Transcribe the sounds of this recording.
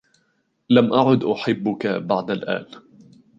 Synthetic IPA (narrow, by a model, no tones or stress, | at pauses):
lamʔaʕʊd̪ʔʊħɪbːʊkabaʕd̪alʔa̰ːn